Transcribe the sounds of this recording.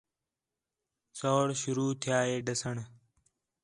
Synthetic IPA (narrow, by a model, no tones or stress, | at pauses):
soːɽʃʊɾuːt̪ʰɪjaːeːɖəsəɳ